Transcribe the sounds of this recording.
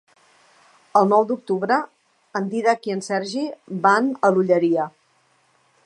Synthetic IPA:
əlˠnɔwd̪uk̚t̪uβɾəː | nd̪iðəkiənsɛɾʒibanəluʎəɾiə

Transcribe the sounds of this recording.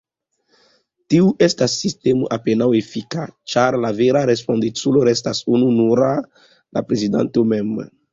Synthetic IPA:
tiuʔestasːistemo̰ʔapenawefikat͡ʃaɾlaveɾaɾe̞spo̞ndit͡sulo̞ɾe̞stasununuɾa | la̰pɾezida̰ntomem

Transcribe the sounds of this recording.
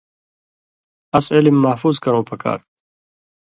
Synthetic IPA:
ɐselimːɐhfuːzkɐɾõːpɐka̰ːɾt̪

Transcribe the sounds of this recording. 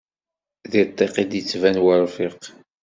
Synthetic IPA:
ðiɾt̪ˤːeqid̪jət͡sːvænwəɾˤfiq

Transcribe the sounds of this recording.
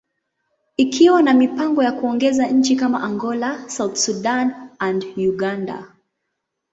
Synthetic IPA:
ikʰiwanamipaŋɡɔjakuɔŋɡɛzaɲ̩t͡ʃikama̰ʔaŋɡɔlasawt̪suɗanandjuɡanda̰

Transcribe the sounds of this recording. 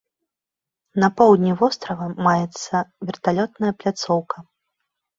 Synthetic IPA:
nɐpɔwd̪ʲnʲivɔst̪ɾɐvɐmajɛt̪sːɐvʲɛrt̪alʲɔt̪nɐjɐplʲat̪sɔwkɐ

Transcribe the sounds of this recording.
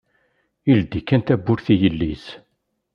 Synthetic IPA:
ild̪ikːænt̪æbːʊɾθijəlːiz

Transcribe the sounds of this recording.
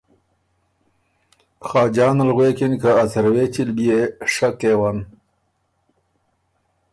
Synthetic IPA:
xɑːd͡ʒɑːnalɣweːkinkaːsəɾwet͡ʃilbieʂakeːwan

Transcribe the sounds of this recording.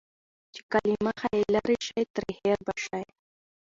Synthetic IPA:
t͡ʃe̥kalimaxaelaɾiʃajt̪ɾiheɾbaʃaj

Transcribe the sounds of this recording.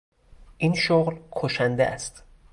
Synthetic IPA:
ʔiːnʃoɣlkʰoʃænd̪ḛʔæ̰st̪

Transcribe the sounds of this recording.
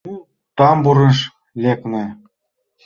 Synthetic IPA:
t̪ɑmbuɾɘ̆ʃ | lʲeknɘ̆

